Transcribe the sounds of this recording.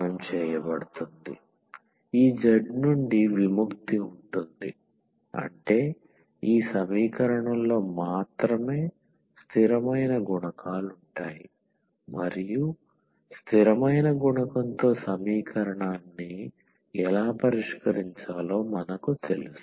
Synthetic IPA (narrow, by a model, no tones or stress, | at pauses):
nɐmt͡ʃɛːjɐbɐɽut̪und̪ḭ | iːd͡ʒɐɖnuɳɖiʋimukt̪iuɳʈund̪ḭ | ɐ̰ɳʈe̞ː | iːsɐmiːkɐɾɐɳɐmlo̞ːmaːt̪ɾɐme̞ː | st̪ʰiɾɐmɐjnɐɡuɳɐkʰaːluɳʈaːjḭ | mɐ̰ɾiju | st̪ʰiɾɐmɐjnɐɡuɳɐkɐnt̪o̞ːsɐmiːkʰɐɾɐɳaːnːi | ɛlaːpɐɾiʂkɐɾiɲt͡ʃaːlo̞ːmɐnɐkut̪e̞̰lus